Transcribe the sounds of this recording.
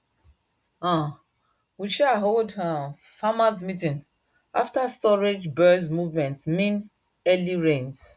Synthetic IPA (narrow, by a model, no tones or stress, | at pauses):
ã | wiʃɛaɦoldã | famasmitĩn | ʔa̰ftastɔɹed͡ʒbɜsmuvmɛ̃ntmĩn | ɛliɹẽns